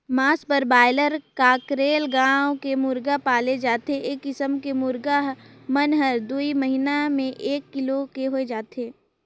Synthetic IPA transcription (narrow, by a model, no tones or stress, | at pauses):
maːspəɾbaːɪləɾkaːkɾeːlɡãːwokemʊɾɡapaːled͡ʒaːt̪eʔeːkːɪsəmkemʊɾɡaɦmɐnɦəɾd̪uiməɦinamẽʔeːkːɪlokeɦoed͡ʒaːt̪eː